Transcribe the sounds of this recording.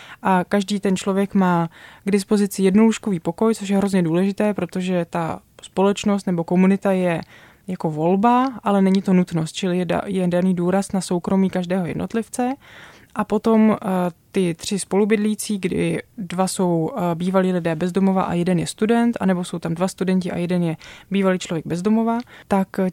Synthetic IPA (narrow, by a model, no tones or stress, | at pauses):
ʔakaʒdiːt̪ɛnt͡ʃlo̞vjɛkmaːɡdɪspo̞zɪt͡sɪjɛdnoluʃko̞viːpoko̞jt͡so̞ʃ̬jɛɦɾo̞zɲɛduːlɛʒɪt̪ɛːpɾo̞t̪o̞ʒɛt̪aspo̞lɛt͡ʃno̞s̬t̪nɛbo̞ko̞munɪt̪ajɛ | jako̞vo̞lbaʔalɛnɛɲɪt̪o̞nut̪no̞st̪̚t͡ʃɪlɪjɛ̰jɛdaniːduːɾasnaso̞wkɾo̞miːkaʒdɛːɦo̞jɛ̰dnot̪lɪft͡sɛ | ʔapo̞t̪o̞mt̪ɪt̪r̝̥ɪspo̞lubɪdliiːt͡siːɡdɪ̰dvaso̞wbiːvaliːlɪdɛːbɛzdo̞mo̞va̰ʔa̰jɛdɛnjɛst̪udɛnt̪anɛbo̞so̞wt̪amdvast̪udɛɲcɪʔa̰jɛdɛnjɛbiːvaliːt͡ʃlo̞vjɛɡ̚bɛzdo̞mo̞vat̪ak